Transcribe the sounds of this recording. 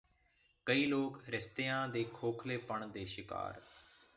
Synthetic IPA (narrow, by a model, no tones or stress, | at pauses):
kəiːloːkɾɪst̪ejãːd̪eːkʰoːkʰleːpəɳd̪eːʃɪka̰ːɾ